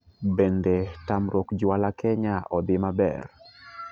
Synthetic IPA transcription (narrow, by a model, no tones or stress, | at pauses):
bendetamɾɔkd͡ʒwalakʰɛɲaʔɔd̪ɪmabɛ̰r